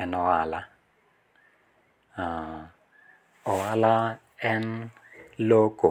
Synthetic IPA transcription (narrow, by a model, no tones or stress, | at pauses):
ɛnɔwaːla | ʊwala | ɛn | lokʼɔ